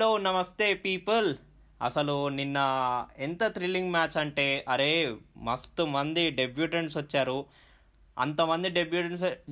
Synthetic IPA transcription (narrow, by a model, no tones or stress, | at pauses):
loːunːɐmɐst̪e̞ːpiːpɐl | ɐ̰sɐluninːɐent̪ɐt̪ɾiliŋɡmaːt͡ʃɐɳʈe̞ːʔɐɾe̞ːmɐst̪umɐnd̪iɖe̞bjuːʈɐɳʈsɐt͡ʃːaːɾu | ɐ̰nt̪ɐmɐnd̪iɖebjuːʈɐɳs